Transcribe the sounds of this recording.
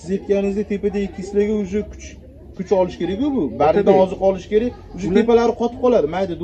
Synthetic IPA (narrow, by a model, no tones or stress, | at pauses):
sɪze̞t̪̚kʲanɪɪzd̪at̪ʰe̞pad̪aɪɪsɪlɪɡʲɪʊʃɪkʰʊ̥t͡ʃ | kʰʊt͡ʃɒlɪʃkʲe̞ɾakʲjʊbʊbaɾɪd̪aɒzɨɾqɒlɪʃkʲe̞ɾakʲʊʃee̞palaɾɪqʰɒt̪ʰɪ̥p̚qʰɒlˠad̪ɪmajd̪ɪd̪